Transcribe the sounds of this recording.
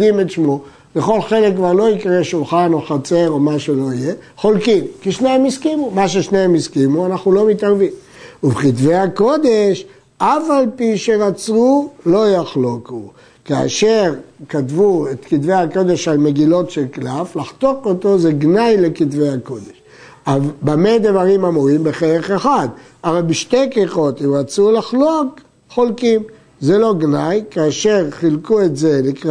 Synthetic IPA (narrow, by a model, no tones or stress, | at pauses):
imetʃmo | le̞χo̞lχe̞lekkvaʁlo̞ikʁeʃulχanoχat͡se̞ʁo̞maʃe̞lo̞ijeχo̞lkimkiʃneemiskimumaʃ̬eʃneemiskimuanaχnulo̞mitaʁvim | ubeχitvejako̞d̪e̞ʃ | afalpiʃe̞ʁat͡sʁulo̞jaχloku | ka̰ːʃe̞ʁkatvuet̪kitve̞jhako̞d̪e̞ʃalme̞ɡilo̞tʃelklaflaχt̪o̞kot̪o̞zeɡnajle̞kitvejakod̪eʃ | avbamed̪vaʁimamuʁimbeχeʁeχeχad̪ | ʔavalbiʃt̪e̞jkiχo̞t̪imʁat͡sulaχlok | χolkim | zelo̞ɡnajkaːʃe̞ʁχilkue̞tzelikʁ